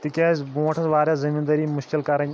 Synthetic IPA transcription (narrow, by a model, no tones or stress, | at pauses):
t̪ikʲaːzbũːʈʰɐsʋaːɾʲjazɐmiːnd̪ɐɾiːmʊʃkilkɐɾɐɲʲ